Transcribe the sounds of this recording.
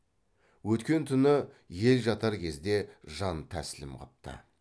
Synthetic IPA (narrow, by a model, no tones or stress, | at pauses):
wɵt̪kʲe̞nt̪ʰʏnɪ | je̞lʒɑt̪ɑɾkʲʰe̞zd̪e̞ʒɑnt̪ʰæ̰sɪlɪmqʰɑ̰p̚t̪ə̰